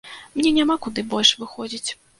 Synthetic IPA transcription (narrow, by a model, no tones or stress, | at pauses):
mnʲɛnʲamakud̪ɨbɔlʲʂvɨxɔd͡zʲit͡sʲ